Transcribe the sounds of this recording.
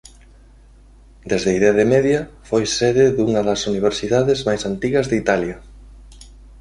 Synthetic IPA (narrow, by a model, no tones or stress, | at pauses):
d̪ezðeiðeðemeðjɐfojseðɪðuŋɐðɐsuniβ̞eɾsiðaðezmajsant̪iɣɐzðit̪aljɐ